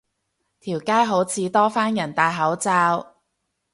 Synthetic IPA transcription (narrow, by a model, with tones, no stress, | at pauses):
t̪ʰiː˨˩wkaː˥jɦo˨˥wt͡sʰiː˨˧˥t̪ɔː˥faː˥njɐ˨˩nt̪aː˨jɦɐ˨˥wt͡saː˧w